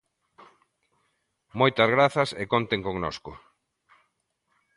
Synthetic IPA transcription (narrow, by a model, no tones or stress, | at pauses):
mojt̪ɐzɣɾaθɐsekont̪eŋkoŋnoskʊ